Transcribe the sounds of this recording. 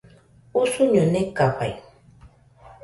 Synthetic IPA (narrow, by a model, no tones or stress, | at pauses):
ʊsʊɲʊnɪkapa̰j